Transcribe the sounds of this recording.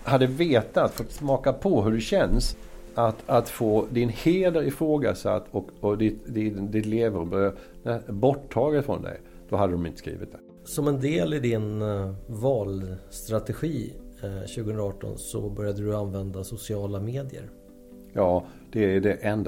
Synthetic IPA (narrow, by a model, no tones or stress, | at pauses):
had̪ːəveːt̪at̪fɔt̪ːsmɑːkapʰɔɦɵɖɵɕɛns | at̪at̪foːd̪ɪnheːd̪əɾɪfɾoːɡa̰sa̰t̪ːɔkɔd̪ɪt̪d̪ɪd̪ɪt̪leːvəɾbøanɛbɔʈʰːɑːɡət̪fɾɔ̰nd̪ɛ̰j | d̪̥ɔɦad̪əd̪ɔmɪnt̪ə̥skɾḭːvɪt̪d̪ɛ̥ | sɔmɛnd̪eːlɪd̪ɪnvɑːlst̪ɾat̪ɛɧiːɕʉɡəɵnɾaɑːʈɔ̰nsɔ̰bœɾjad̪əd̪ɵanvɛnd̪asʊsɪɑːlameːd̪ɪə̰ɾ | jɑː | d̪̥ɛæɖɛʔɛnd̪a